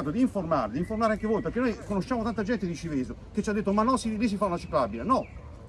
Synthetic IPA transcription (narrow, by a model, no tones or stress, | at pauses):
aːt̪od̪iːɱformaːɾed̪iɱformaɾeaŋk̟evoːjpeɾkenojkonoʃːjaːmot̪ant̪ad͡ʒɛnt̪ed̪it͡ʃivezoket͡ʃːiad̪ːet̪ːomanːɔsilis̬ifaunat͡ʃiklabilenɔ